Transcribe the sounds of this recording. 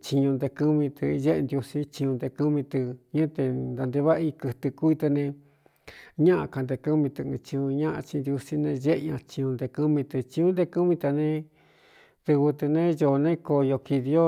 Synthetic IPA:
t͡ʃi˧ɲũ˧nd̪e˧kɨ˦mĩ˧t̪ɨ˧ʒe˦ʔnd̪ju˧si˦t͡ʃĩ˧ɲũ˧nd̪e˧kɨ˦mĩ˧t̪ɨ˧ɲɨ̃˦t̪e˧nd̪a˧nd̪e˧βa˦ʔi˧kɨ˧t̪ɨ˧ku˦i˧t̪e˧nẽ˧ | ɲã˦ʔã˧ka˧˨nd̪e˧kɨ˦mĩ˧t̪ɨ˧ɨ̃˧t͡ʃĩ˧ũ˧ɲã˦ʔã̰˧t͡ʃĩ˧nd̪ju˧si˦nẽ˧ʒe˦ʔɲã˧t͡ʃĩ˧ɲũ˧nd̪e˧kɨ˦mĩ˧t̪ɨ˧t͡ʃĩ˧ũ˦nd̪e˧kɨ˦mĩ˧t̪a˧nẽ˧ | ðɨ˧βɨ˧t̪ɨ˧nẽ˦jo˧nẽ˦ko˧jo˧ki˧ði˧o˦

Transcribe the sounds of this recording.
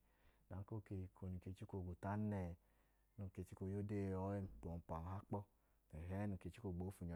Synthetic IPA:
na˨˦ko˦˨ke˧ko˧ni˨ke˧˦t͡ʃi˦ko˧˨ɡu˨ta˦nɛ˨ | nu˨˧˨ke˧t͡ʃi˦ko˧˦jo˦de˦˨ɔ˦e˦m˦pɔ˨m˨pa˨n˨ɦa˦k͡pɔ˦ | ɛ˨ɦɛ˨˦nu˨ke˧t͡ʃi˦ko˧˨ɡ͡boː˨˦fu˧ɲɔ˨

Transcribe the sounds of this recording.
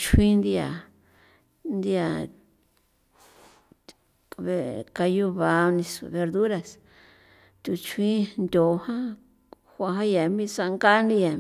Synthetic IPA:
t͡ʃʰwĩ˦nd̪i˧ja̰˨ | nd̪i˧a˨ | e˧ka˧ju˦βa˨˧nĩ˧sṵ˨βe˧ɾðu˦ɾa˧s | t̪u˨t͡ʃʰĩ˦nd̪ʲo˨hã˦ | hʷã˧ɦã˦ja˨mĩ˦sa˧ŋɡa˦ndi˧ja˨

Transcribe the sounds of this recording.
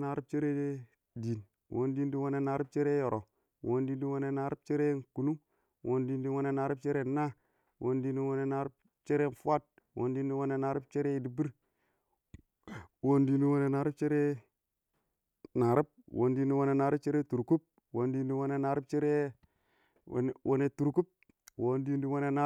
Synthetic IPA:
na˨ɾi˦p̚t͡ʃe˦ɾe˦ | di˨n | wo˨ndi˦n˦di˦wo˦ne˦na˨ɾp̚t͡ʃe˦ɾe˦jo˨ɾʔo˨ | wo˨˦ndi˦ndi˦wo˦ne˦na˨ɾi˦b̚t͡ʃe˦ɾe˦ku˨nu˦ | wʔo˨ndi˦ndi˦wo˦ne˦na˨ɾi˦p̚t͡ʃe˦ɾe˦na˦ | wʔo˦ndi˦ni˦wo˦ne˦na˨ɾi˦p | t͡ʃe˦ɾe˦˨fa˦d̚ | wʔo̰˨ndi˦ndi˦wo˦ne˨na˨ɾi˦p̚t͡ʃe˦ɾe˦i˨di˨bi˦ɾ | wo˦ndi˦ndi˦wo˦ne˨na˨ɾi˦p̚t͡ʃe˦ɾe˦ | na˨ɾi˦b̚wʔo̰˨ndi˦ndi˦wo˦ne˨na˨ɾi˦p̚t͡ʃe˦ɾe˦tu˨ɾku˦p̚ | wo˨ndi˦ndi˦wo˦ne˦na˨ɾi˦p̚t͡ʃe˦ɾe˦˨ | n˨wʔo˦ne˨tu˨ɾku˦p̚ | wo˦ndi˦ndi˦wo˦ne˦na˨

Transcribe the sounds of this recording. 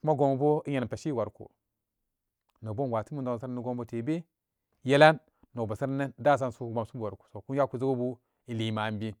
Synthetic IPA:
ku˦ma˦ɡo˨m˨bo˦i˦ɲe˨n˨pe˨ʃi˦˨wa˨ɾkṵ˨ | no˨bo˦n˨wa˨ti˦mu˦ndo˨sa˦n˦ni˦ɡo˦mbo˦te˨be˦ | je˦la˦nː | o˨ba˨sa˦ɾne˦n˦da˦˨s̬a˦nsu˦kɡ͡ba˨msu˦bwa˨ɾku̥˨so˨ku˦a˦ku˨zo˦ɡo˦bu˦ | i˨li˨ma˨m˦bi˦

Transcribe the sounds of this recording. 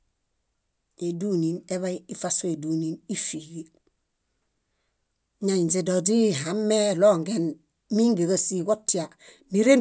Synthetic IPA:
e˨dunine˦βajii˦fasoe˨duni˦ni˦fi˨ɡe˨ | ɲa˨ɲd͡ʒe˨dodi˦ɦamːe˦loŋɡen | mi˦ŋɡe˨ɡa˨si˨ɡo˦tːi˨a | ni˦ɾe˦

